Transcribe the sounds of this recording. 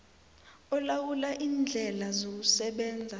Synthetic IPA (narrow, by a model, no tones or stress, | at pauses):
ɔlawulaʔiːnd͡ɮʱɛlazok̬usɛɓɛːnd͡zʱa